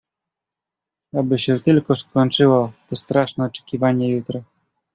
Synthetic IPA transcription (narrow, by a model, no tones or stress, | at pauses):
abɘɕɛt̪ɘlkɔskɔɲt͡ʂɘwɔt̪ɔst̪ɾaʂnɛɔt͡ʂɛ̥kʲivaɲɛjut̪ɾɔ